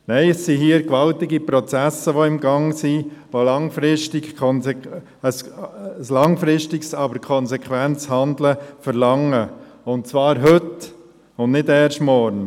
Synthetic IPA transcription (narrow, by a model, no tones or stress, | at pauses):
nɛɪəsːiɦiːəɾkʋɑltɪɡipɾɔt͡sæsːəʋoɪmɡɑŋsiʋolɑŋfɾɪʃtɪkkʰɔnsɛ | əsslɑŋfɾɪʃtɪksɑbəɾkʰɔnsɛkʰʋænt͡shɑnd̪ləfəɾlɑŋə | ʊntt͡svɑːɾɦɵt | ʊndnɪdɛːrʃtmɔɾn